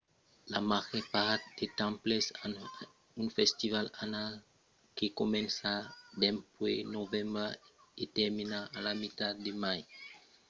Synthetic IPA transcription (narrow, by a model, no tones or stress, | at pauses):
lamaɣepaɾt̪d̪̥et̪ãmplesan | unfest̪ivalanal | kekomɛ̃nsad̪empwenovẽmbaet̪eɾminaːlamit̪ad̪d̪emaj